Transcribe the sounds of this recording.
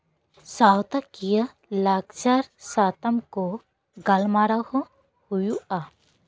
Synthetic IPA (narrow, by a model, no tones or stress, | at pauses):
sawt̪akijə | lakt͡ʃaɾsat̪ɐmko | ɡɐlmaɾahɔ | hujua